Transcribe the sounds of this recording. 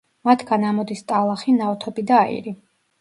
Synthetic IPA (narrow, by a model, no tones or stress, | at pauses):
mat̪ʰɡ̥anamɔd̪ist̪ʼalˠaχinaɔt̪ʰɔbid̪aːḭɾi